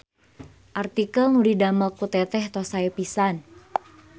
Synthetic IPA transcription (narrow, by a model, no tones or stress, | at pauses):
ʔart̪ikəlŋudidaməlkut̪ɛt̪ɛht̪ɔsaipisan